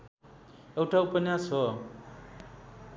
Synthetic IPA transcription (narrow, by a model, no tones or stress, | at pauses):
ewʈaupʌnjasɦʌ